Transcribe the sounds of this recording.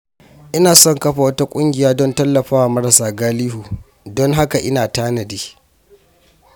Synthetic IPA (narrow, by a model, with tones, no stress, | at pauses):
ʔɪ˦naː˨sɔ˦˨ŋkɐ˦ɸa˨wɐ˦ta˦kʷʼʊ˦ŋɡʲɪ˨jaː˦dɔ˦ntɐ˦lːɐ˨ɸaː˦wa˨mɐ˦ɾɐ˨saː˨ɡaː˦liː˦huː˨ | dɔ˦ŋɦa˦ka˨ʔɪ˦naː˨taː˦nɐ˨diː˦